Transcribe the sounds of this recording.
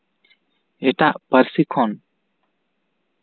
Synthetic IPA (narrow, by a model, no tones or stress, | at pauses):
ɛʈaʔpəɾsikʰɔn